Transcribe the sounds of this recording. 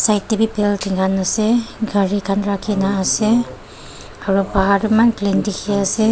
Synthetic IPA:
sajtːebipɛltʰiŋɡʰanasɛɡʱaɹikʰanɹakʰinaːsɛ | aɹubaɦaɹumanklindikʰiasɛ

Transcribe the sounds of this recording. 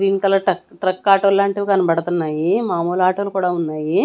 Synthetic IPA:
ɾiːnik̪ɐlɐʈɐkʈɾɐkːaːʈoːlːaːɳʈeʋɡɐnɐbɐɽɐt̪unːaːjimaːmuːlaːʈoːlukuːɽaːunːaːji

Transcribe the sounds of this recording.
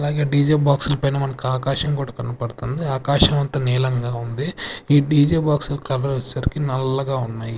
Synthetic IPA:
ɐlaːɡe̞ːɖiːd͡ʒeːbaːksulɐpɐjnɐːmɐnɐkiaːkaːʃɐmkuːɽaːkɐnɐpɐɽut̪und̪iaːkaːʃɐmɐnt̪ɐnɛːlɐŋɡaːund̪iiːɖiːd͡ʒeːbaːksulɐkɐlɐɾʋɐt͡ʃːsɐɾikinɐlːɐɡaːunːaːji

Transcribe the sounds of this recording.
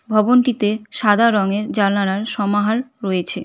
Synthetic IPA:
bʱɔbonʈit̪eʃad̪ʱaɾɔŋeɾd͡ʑaɾnanaɾʃɔmaɦalɾɔjet͡ɕʰe

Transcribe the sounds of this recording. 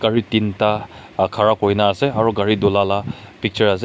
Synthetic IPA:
ɡ̥aɾitintakʰaɾakɔjnaːseaɾɔɡaɾidɔlalapik̚t͡ʃɐɹase

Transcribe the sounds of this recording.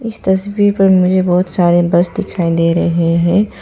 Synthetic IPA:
ɪst̪ɐsbiːɾpɐɾmʊd͡ʒʱebɔːt̪saːɾebɐsd̪ɪkʰaːid̪eːɾɐɦeɦɛ̃ː

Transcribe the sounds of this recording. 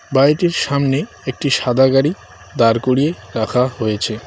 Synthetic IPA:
bajʈiɾʃamne | ek̚ʈiʃad̪ʱaɡaɾi | d̪aɾkoɾieɾakʰahojet͡ɕʰe

